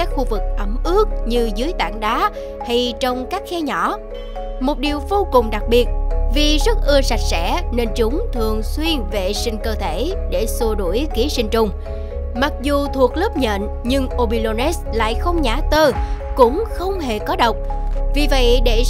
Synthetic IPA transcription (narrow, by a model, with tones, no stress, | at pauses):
aː˦˥k̚xu˧vɨ˨˩k̚ʔə˨˧˩mʔɨ˦˥ək̚ɲɨ˧zɨ˨˦jt̪a̰ː˧˩ŋɗaː˨˦ | ha˧jt͡ɕɔ˧wŋ͡mkaː˦˥k̚xɛ˧ɲɔ˧˩ | mo˨˩t̚ɗi˨˩əwvo˧kʊ˨˩ŋ͡mɗa˨˩k̚ɓi˨˩ət̚vi˨˩zə˦˥t̚ʔɨ˧əsa˨˩jk̚sɛ̰˧˥ne˧nt͡ɕʊ˨˦ŋ͡mt̪ʰɨ˨˩əŋswi˧ənve˨˩sï˧ŋ̟kəː˧t̪ʰe˧˩ɗe˧˩su˧ɗu˧˩əjki˨˦əsï˧ŋ̟t͡ɕʊ˧wŋ͡m | ma˨˩k̚zu˨˩t̪ʰu˨˩ək̚ləː˦˥p̚ɲə̰ː˧˨n | ɲɨ˧ŋʔo˧ɓi˧lo˧nɛ˦˥sla̰ː˧˨jxə˧wŋ͡mɲaː˧˩t̪əː˧kʊ̰˧˥ŋ͡mxə˧wŋ͡mɦe˨˩kɔ˨˦ɗə˨˩wk͡p̚vi˨˩və̰˧˨jɗe˧˩